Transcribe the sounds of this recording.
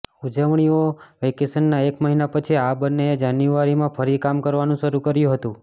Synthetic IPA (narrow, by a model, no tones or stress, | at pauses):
ud͡ʒəʋɳioʋekesənːaekməɦinapət͡ʃʰiabənːeed͡ʒanjuʋaɾimãfʰəɾikamkəɾʋanũʃəɾukəɾjũɦət̪ũ